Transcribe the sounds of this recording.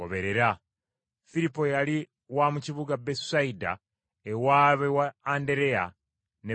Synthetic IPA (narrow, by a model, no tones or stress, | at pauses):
o̰βe̞ɾe̞ɾa | fiɾipːo̞jali | wamuciβuɡabessaida̰ | ewaβewaːnde̞ɾe̞a̰ | ne